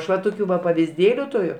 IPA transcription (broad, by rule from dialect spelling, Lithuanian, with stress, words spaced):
ˈɐʃ ʋɐ ˈtoːkʲʊ ʋɐ pɐʋʲɪzʲˈdʲeːlʲʊ tʊˈrʲʊ